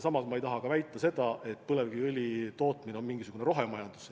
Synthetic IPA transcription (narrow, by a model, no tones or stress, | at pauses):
sɑmɑsmɑe̞jt̪ɑɦɑɡ̥ɑvæjt̪ːˑɑse̞d̪̥ɑʔe̞t̪ːulevɡ̥iɯlʲit̪o̞ːt̪mineo̞nmiŋɡ̥isuɡ̥uneɾo̞ɦe̞mɑjɑnd̪̥us